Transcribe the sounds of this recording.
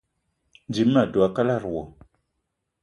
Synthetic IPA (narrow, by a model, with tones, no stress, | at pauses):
nd͡ʒi˨˦mː˦a˨du˨a˨ka˦la˦˨ɾwo˨